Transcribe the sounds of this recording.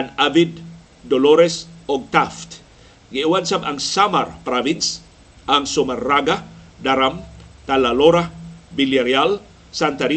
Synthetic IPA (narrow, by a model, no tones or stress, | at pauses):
anabidː | olɔɾɛsɔɡ̚t̪aft̪ | ɡeʔwansabaŋsama̰rpɾavins | aŋsomarːaɡa | daɾamt̪alaloɾabiliaɾial | sant̪aɾi